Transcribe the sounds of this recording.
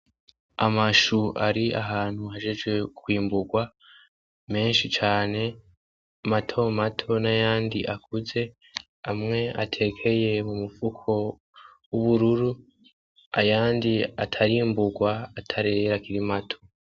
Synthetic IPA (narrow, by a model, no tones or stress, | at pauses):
amaʃuʔaɾiʔaɦaːn̥huɦaʒe̞ʒɡwe̞kwiːmbuɡwa | me̞ːnʃit͡ʃaːne̞ | matʰo̞matʰo̞najaːndiʔakuze̞ | amŋe̞atʰe̞kʰe̞je̞mumufukʰo̞ | wuβuɾuɾu | ajaːndiatʰaɾiːmbuɡwaːtʰaɾeɾakiɾimatʰo̞̥